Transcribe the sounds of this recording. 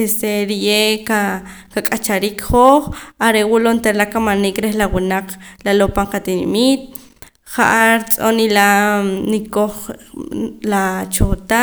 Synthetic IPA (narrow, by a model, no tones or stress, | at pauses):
est̪eɾijeka | kakʼat͡ʃaɾiːkχoːχaɾewulont̪eɾlakamaniːkɾehlawunaq͡χlalopaɴqat̪inimiːt̪̚ | χaʔaɾit͡sʼonilanikoχ | lat͡ʃot̪a